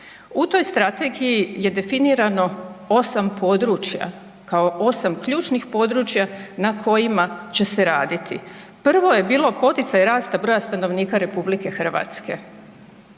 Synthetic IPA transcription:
ut̪o̞jst̪ɾat̪e̞ɡijije̞d̪e̞finiːɾano̞o̞sampʰo̞ːd̪ɾuːt͡ɕja̰ | kaoʔo̞samkʎuːt͡ʃnixpo̞ːd̪ɾuːt͡ʃjanakʰo̞jimat͡ɕe̞se̞ɾaːd̪it̪ḭpr̩ʋo̞je̞biːlˠo̞po̞t̪it̪sajɾaːst̪abɾo̞ːjast̪ano̞ʋniːkaɾe̞publike̞xr̩ʋa̰ːt̪ske̞̰

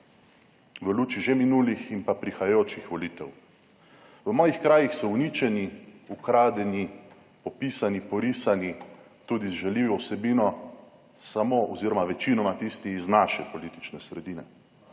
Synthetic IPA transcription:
ʋəluːt͡ʃiʒeminulixinpapɾixajajoːt͡ʃixʋɔliːt̪ɛw | ʋəmɔːjixkɾaːjixsɔwnit͡ʃɛniukɾaːd̪ɛni | pɔpisanipɔɾisani | t̪uːd̪izʒɛliwɔwsɛbiːnɔ | samoʔɔziːɾɔmaʋɛt͡ʃinɔmat̪ist̪iːznaːʃɛpɔliːt̪it͡ʃnɛsɾɛd̪iːnɛ̰

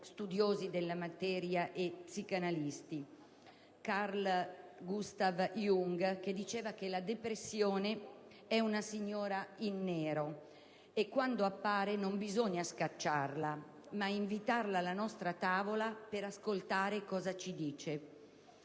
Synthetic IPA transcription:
st̪ud̪joːzid̪elːamat̪ɛːɾjaʔepsikanalist̪i | karlɡust̪avjuŋɡked̪ːit͡ʃeːvak̟elad̪epɾesːjoːne | ɛunasiɲːɔːɾainːeːɾo | ekːwand̪oapːaːɾenombizoɲːaskat͡ʃːarla | maiɱvit̪arlalanɔst̪ɾat̪aːvolapeɾaskolt̪aːɾekɔːzat͡ʃid̪iːt͡ʃe

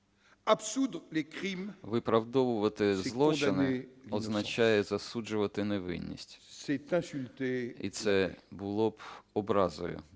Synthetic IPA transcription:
absud̪ʁlekχimʋɪpɾɐwd̪ɔʋʊʋɐt̪ɪzlˠɔt͡ʃ̪ɪnɪɔznɐt͡ʃajɛzɐsud͡ʒʊʋɐt̪ɪneʋɪ̰nʲːḭsʲtʲsɛt̪ɛ̃sylt̪eḭt̪sɛbʊlˠɔbɔbɾɑzɔ̰jʊ̰

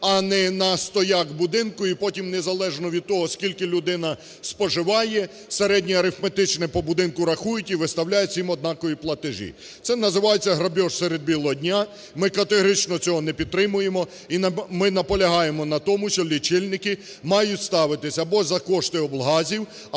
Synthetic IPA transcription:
ɐnɛnɐst̪ɔjaɡbʊd̪ɪnkʊipɔtʲimnezɐlˠɛʒnɔʋʲid̪̚t̪ɔɦɔskʲilʲkɪlʲʊd̪ɪnɐ | spɔʒɪʋɑjɛ | seɾɛdʲnʲijɐɾɪfmet̪ɪt͡ʃnɛpɔbʊd̪ɪnkʊɾɐxujʊtʲiʋɪst̪ɐwlʲajɛt͡sʲimɔd̪̚nɑkɔjiplˠɐt̪ɪʒḭ | t̪sɛnɐzɪʋɑjet͡sʲːɐɦɾɐbʲɔʃsɛɾed̪̚bʲilˠɔɦɔdʲnʲa | mɪkɐt̪eɦɔɾɪt͡ʃnɔt͡sʲɔɦɔnɛpʲid̪̚t̪ɾɪmʊjemɔ | imɪnɐpɔlʲɐɦɑjemɔnɐt̪ɔmʊʃɔlʲit͡ʃɪlʲnɪkɪ | mɑjʊtʲst̪ɑʋɪt̪ɪsʲɐɐbɔzɐkɔʃt̪ɪɔblˠɦɑzʲiw

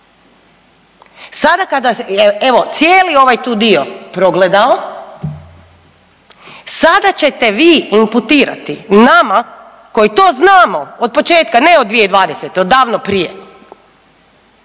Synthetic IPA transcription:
sad̪akad̪aeeʋo̞t̪sjeːlio̞ʋajt̪uːd̪iopɾo̞ɡled̪ao | sad̪at͡ɕet̪eʋiːimput̪iːɾa̰t̪inama | ko̞jit̪oːznaːmood̪̚pot͡ʃeːt̪kaneod̪d̪ʋijeid̪ʋaːd̪eset̪eod̪ːaːʋnopɾije

